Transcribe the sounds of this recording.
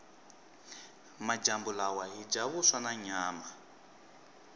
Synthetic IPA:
mad͡ʒambulawaɦid͡ʒaβuswanaɲaːma

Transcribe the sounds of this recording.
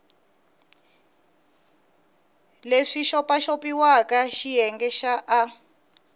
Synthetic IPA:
leʂiʃɔpaʃopiwakaʃiɦɛŋɡɛʃaʔa

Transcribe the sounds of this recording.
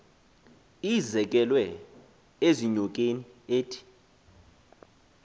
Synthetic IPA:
izɛk̬ʼɛlwɛ | eziɲɔk̬ʼenieːtʰi̥

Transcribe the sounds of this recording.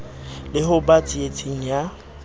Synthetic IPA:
lɪhʊbat͡sʼiet͡sʼiŋ̩ja

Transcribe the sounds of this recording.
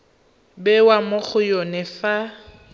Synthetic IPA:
bɛwamʊk͡xʊjonɛfa

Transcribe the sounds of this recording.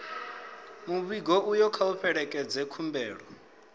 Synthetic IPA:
muβiɡɔʔujɔkʰauɸɛɺɛkʼɛd͡zɛkʰumbɛːɺɔ

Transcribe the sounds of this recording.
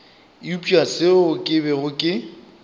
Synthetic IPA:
upʼiasɪʊkʼɪbɛɣʊkʼɪ

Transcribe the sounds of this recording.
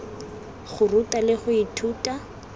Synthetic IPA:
χʊrutʼalɪχʊitʰuːtʼa

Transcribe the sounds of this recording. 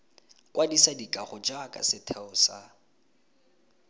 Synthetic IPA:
kʼwʔadisadikʼaχʊd͡ʒakʼa̰sɪtʰɛʊsa

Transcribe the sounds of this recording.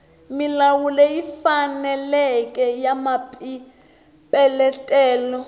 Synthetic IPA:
milawulɛjifanɛlɛkʼɛjamapʼi | pʼɛlɛtʼɛːlɔ

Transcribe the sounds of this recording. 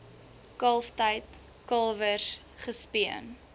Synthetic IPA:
kɐlˠftəjt | kɐlˠvər | χəspiən

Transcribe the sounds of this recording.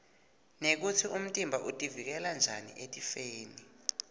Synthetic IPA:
nek̬utʰiʔum̩tʼimbʱaʔutʼivik̬ɛland͡ʒʱanḭʔetʼifeːni

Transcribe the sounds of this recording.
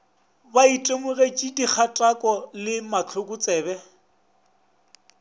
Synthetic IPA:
baitʼemʊret͡ʃʼidik͡xʰatʼakʼɔlɪmat͡ɬʰʊkʼʊt͡sʼɛːbɛ

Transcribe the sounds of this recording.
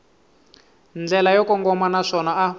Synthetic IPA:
nd͡ɮɛlajɔkɔŋɡɔmanaʂɔnaʔa

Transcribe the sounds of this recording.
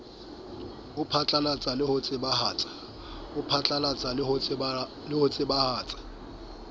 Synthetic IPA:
ʊpʰat͡ɬʼalat͡sʼalɪhʊt͡sʼɪbahaːt͡sʼḁ | ʊpʰat͡ɬʼalat͡sʼa | lɪhot͡sʼɪbahaːt͡sʼḁ

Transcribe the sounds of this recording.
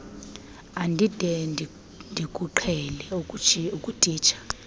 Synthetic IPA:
andʱid̥ʱɛn | ndʱikʼuǃʰɛlɛukʼutʼiːt͡ʃʰḁ

